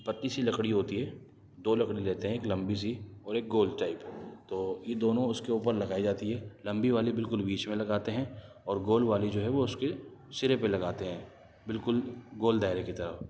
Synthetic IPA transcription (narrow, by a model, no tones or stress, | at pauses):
pɐt̪ːisilɐkɽiɦoːt̪iɦɛː | d̪oːlɐkɽiɾeːt̪eɦɛ̃eːklɐ̃mbis̬iɔːɾeːk̚ɡoːlʈaːɪpt̪oːjed̪oːnõʊskeuːpəɾlɐɡaːid͡ʒaːt̪iɦɛːlɐ̃mbiʋaːlibɪlkʊlbiːt͡ʃmẽlɐɡaːt̪eɦɛ̃ | ɔːɾɡoːlʋaːlid͡ʒoːɦɛʋoʊskesɪɾepelɐɡaːt̪eɦɛ̃ː | bɪlkʊlɡoːld̪aːɪɾekit̪ɐɾə